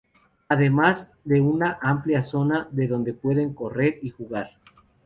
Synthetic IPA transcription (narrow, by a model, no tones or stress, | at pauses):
aðe̞maz | ðe̞unaʔampljaso̞naðe̞ðo̞nd̪e̞pwe̞ðe̞ŋko̞re̞ɾixuɣaɾ